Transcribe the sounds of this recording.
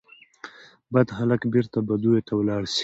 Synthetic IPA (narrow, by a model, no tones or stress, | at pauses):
bad̪halakbeɾt̪abad̪ujet̪awlɑɽs